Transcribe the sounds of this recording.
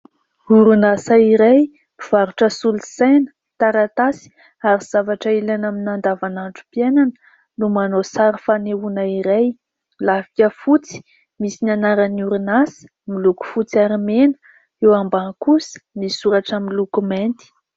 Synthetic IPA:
uɾunasaiɾej | miv̥aɾuʈ͡ʂəsulusajnə̥ | t̪aɾat̪asi̥ | aɾiz̥avaʈ͡ʂailenaminand̪avanaɳʈ͡ʂu̥pienanə̥ | numanosaɾifaneunaiɾej | lavikʲəfut͡si̥ | misinanaɾaniuɾunasə̥ | miluku̥fut͡siaɾimenə̥ | ewambakusə̥misuɾaʈ͡ʂamilukument̪i̥

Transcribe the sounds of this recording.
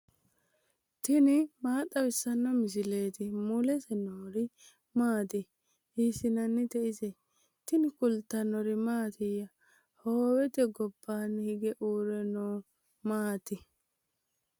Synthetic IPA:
t̪ɪnɪmaːt̪ʼɐwɪsːɐnːɔmɪs̬ɪle̞ːt̪ɪmʊlɛsɛnoːɾɪ | maːd̪ɪ | hiːsɪnɐnːɪt̪ɛʔɪzɛ | t̪ɪnɪkʊlt̪ːɐnɔɾɪmaːt̪ɪjːɐ | hoːwɛt̪ɛɡɔbːaːnːhɪɡɛʔuːɾɛnoː | maːt̪ɪ

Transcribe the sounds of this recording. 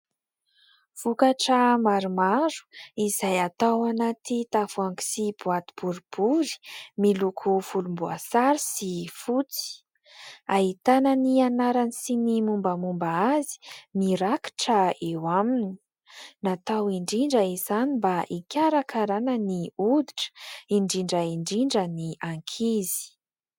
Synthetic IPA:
v̥ukaʈ͡ʂəmaɾumaɾu̥izajat̪awanat̪it̪afuaŋki̥sibuat̪i̥b̥uɾib̥uɾi̥milukʰufulumbua̰saɾisifut͡si̥ | aɦit̪anənianaɾanisinimumbəmumbaazi̥miɾaki̥ʈ͡ʂəewamini̥ | nat̪awiɳɖ͡ʐiɳɖ͡ʐəizanibaʔikʲaɾakʰaɾanəniud̪iʈ͡ʂə̥iɳɖ͡ʐiɳɖ͡ʐəiɳɖ͡ʐiɳɖ͡ʐəniʔaŋkʰizi̥

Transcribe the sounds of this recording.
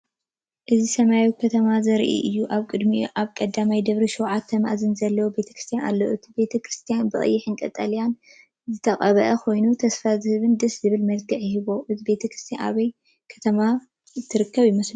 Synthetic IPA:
ʔɨzisɐmajwkʰɐt̪ʰɐmazɐɾʔḭʔɨjːuʔaβkʼɨd̪miʔaβkʼɐd̪ːamajd̪ɐβɾiʃɛwʕat̪ʰːɐma̰ʔzɨnzɐlːɐwobe̞t̪ʰɐkɾɨst̪ʰjana̰lːoʔɨt̪ʰi̥be̞t̪ʰɐkʰɾɨst̪ʰijanbɨχʼɨ̰jːɪħɨnkʼɐ̰t̪ʼɐlijan | zɨt̪ʰɐkʼɐβɐʔɐkʰo̞jnut̪ʰɐsfazɨhɨβɨnd̪ɨszɨβɨlmɐlɡʰɨʕjɪɦɨβo̞ʔɨt̪ʰibe̞t̪ʰɐkɾɨ̥st̪ʰja̰nʔa̰βɐj | kʰɐ̥t̪ʰɐma | t̪ʰːɨɾɨkʰːɐβjmɐs

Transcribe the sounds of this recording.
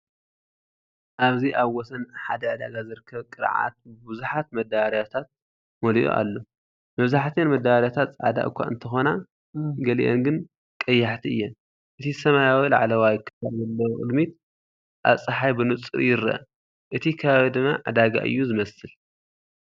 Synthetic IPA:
ʔaβziʔaβwɔsɐnħad̪ɐʕad̪aɡazɨɾɨkʰːɐβkʼɨɾʕa̰t̪̚bɨbɨzuħat̪mɐd̪aɾjat̪ʰat̪̚ | moliʔo̰ʔa̰lːo̞ | mɐβzaħt̪ʰenmɐd̪aβɾjat̪ʰat̪sʼʕa̰d̪a̰ʔɨ̰kʷːa̰ʔɨ̰nt̪ʰɐxo̞na | ɡɐlḭʔo̰nɡɨn | kʼɐjːaħt̪ʰiɨjːɛ | ʔɨt̪ʰisɐmajawilaʕalɐwajɪkʰːɐ̥faɾzɐlːɐwʔʼɨ̰d̪mit̪̚ | ʔaβsʼɨħajbɨnut͡sʼɨɾjɪɾɐ̰ʔ | ʔɨt̪ʰikʰɐβaβid̪ɨmːaʕɨd̪aɡa̰ʔɨ̰jːuzɨmɐsɨl

